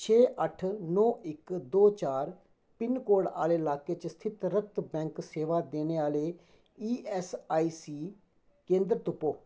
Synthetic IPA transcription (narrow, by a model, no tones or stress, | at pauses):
t͡ʃʰɛːʔəʈʰnɔːʔɪkd̪oːt͡ʃaːɾ | pɪnkoːɽa̰ːleːɪlaːkeːt͡ʃəst̪ʰɪt̪ɾək̚t̪bɛ̃ːŋkseːʋaːd̪eːneːaːleː | iːɛːsaːiːsiː | kẽːnd̪ɾt̪ʊpoː